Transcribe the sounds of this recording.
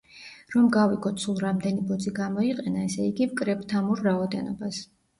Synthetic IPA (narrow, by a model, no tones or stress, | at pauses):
ɾɔmɡaviɡɔt̪sʰulˠɾamd̪ɛnibɔd̪ziɡamɔiqʼɛnaɛsɛiɡivkʼɾɛpʼt̪ʰamuɾːaɔd̪ɛnɔbas